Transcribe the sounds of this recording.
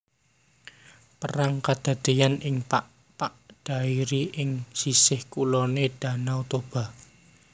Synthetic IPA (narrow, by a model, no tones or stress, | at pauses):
pəɾaŋkad̪̥a̤d̪̥ejanɪŋpaʔ | paʔɖ̪̥a̤iɾiʔɪŋsisɪhkulɔned̪̥a̤nawt̪ob̥a̤